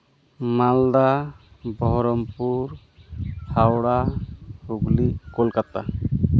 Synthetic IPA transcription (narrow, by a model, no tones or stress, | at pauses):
mald̪abɔɦɾɔmpuɾ | hʰawɽahuɡlikɔlkat̪a